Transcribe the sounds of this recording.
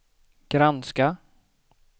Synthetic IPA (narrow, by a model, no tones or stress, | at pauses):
ɡ̥ɾanska